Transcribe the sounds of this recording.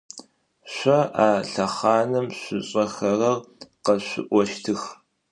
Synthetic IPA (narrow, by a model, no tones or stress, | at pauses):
ɕʷɐʔaːɬɐχɑːnɐmɕʷʊɕʼɐxɐrɐrqɐɕʷɪ̰ʔʷɔʃtʰɨx